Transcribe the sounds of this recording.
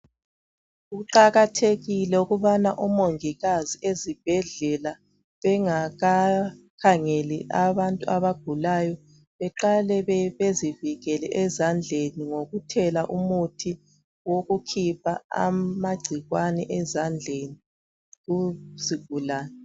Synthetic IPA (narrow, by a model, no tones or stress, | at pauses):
uɣuǃaɣatʰeɣilɛuɣuβanaʔumoŋiɣaziʔezib̥ʱɛɮɛla | βɛŋaɣakʰaŋɛlḭʔaβantʼuaβaɡ̥ʱulajɔ | βɛǃalɛβeziviɣɛlɛʔɛzand͡ɮʱeniŋoɣutʰɛlaʔumutʰi | woɣukʰipʰaa̰maɡ͡ǀʱiɣwanɛʔɛzand͡ɮʱeni | ɣuziɡ̥̚ʱulaːnɛ